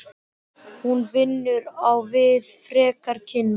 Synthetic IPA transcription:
hunvɪnːʏɾawvɪðfɾɛːkaɾ̥cʰɪnː

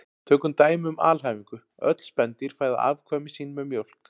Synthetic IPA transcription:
t̪ʰœːkʏmt̪aːjmʏma̰ːlɦajviŋkʏ | œ̰t̪l̥spɛnt̪iɾ̥faːjða̰ʔa̰ːvkʰvœːmɪsiːnːmɛðmjowl̥k

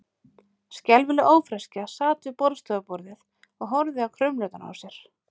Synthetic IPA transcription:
scɛlvɪlʏʔoːwfɾɛscasaːt̪ɪpɔɾðst̪œːapɔɾðɪθ | ɔɣɦɔɾðɪawkʰɾʏmlœt̪ana̰wsjɛɾ̥

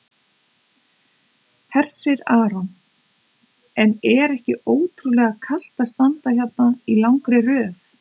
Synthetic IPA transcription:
hɛr̥sɪɾaːɾan | ɛnɛɾɛhcɪoːwt̪ʰɾulɛːɣakʰal̥t̪ast̪ant̪açat̪nailawŋkɾɪrœːf

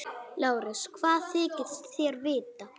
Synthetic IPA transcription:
laːwɾɪskʰvaːðθɪːcɪ̥t̪θjɛɾvɪːt̪a

